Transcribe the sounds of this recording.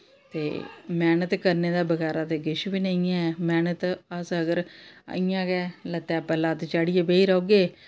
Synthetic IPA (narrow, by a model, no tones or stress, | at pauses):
t̪ḛːmɛːnət̪kəɾneːd̪aːbəɡɛːɾaːt̪eːɡɪʃʋiːnəĩːɛ̃ːmɛːnət̪əsəɡəɾə̰ĩjãːɡɛːlət̪ːɛːpəlãːt̪t͡ʃaːɽijeːbeːiːɾəoːɡeː